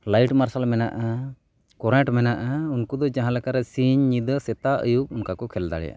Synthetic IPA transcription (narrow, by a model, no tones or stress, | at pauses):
lajʈmaɾsalmɛna̰ʔa | kɔɾɛ̃ʈmɛnaʔaunkɔd̪ɔd͡ʒaɦãlɛkaɾɛsiɲːid̪əsɛt̪aʔə̰jub̚unkakɔkʰɛld̪a̰ɽɛ̰ja̰ʔ